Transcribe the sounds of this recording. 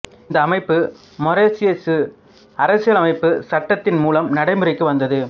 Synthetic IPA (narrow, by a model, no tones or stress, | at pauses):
ɪnd̪ɐːmɐɪpːɯ | mɔɾesɪesɯ | ɐɾɐsɪjɐlɐmɐɪpːɯsɐʈːɐt̪ːɪnmuːlɐmnɐɽɐɪmɯɾɪkːɯʋɐnd̪ɐðɯ